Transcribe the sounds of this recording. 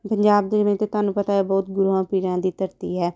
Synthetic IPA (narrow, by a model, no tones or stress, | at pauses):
pəɲd͡ʒaːb̚d̪eːmẽːt̪eːt̪ʊaːnũːpət̪aːɦɛːbɔːt̪ɡʊɾuãːpiːɾãːd̪iːt̪əɾt̪iːɦɛː